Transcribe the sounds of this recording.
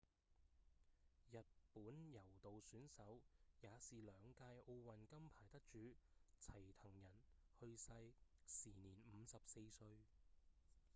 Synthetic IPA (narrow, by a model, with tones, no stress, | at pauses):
jɐ˨t̚puː˨˥njɐ˨˩wt̪o˨wsyː˨˥nsɐ˨˥wjaː˨˧siː˨lœː˨˧ŋkaː˧jʔo˧wwɐ˨˩nkɐ˥mpʰaː˨˩jt̪ɐ˥k̚t͡ʃyː˨˧t͡sʰɐ˨˩jt̪ʰɐ˨˩ŋjɐ˨˩nhɵ˧ɥsɐ˧jsiː˨˩niː˨˩nm̩˨˧sɐ˨p̚se˧jsɵ˧ɥ